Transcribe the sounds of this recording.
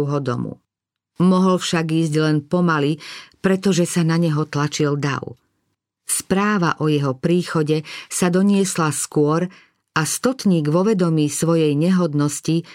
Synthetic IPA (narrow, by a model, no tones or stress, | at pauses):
ɦɔd̪ɔ̰mṵ | mɔɦɔlfʃaɡiːzɟlɛnpɔmalipɾɛt̪ɔʒɛsanaɲɛɦɔt̪lat͡ʃild̪a̰w | spɾaːʋaʔɔjɛɦɔpɾiːxɔɟɛsad̪ɔɲɪɛslaskʊɔɾ | ast̪ɔt̪ɲiːɡʋɔʋɛd̪ɔmiːsʋɔjɛjɲɛɦɔd̪nɔsci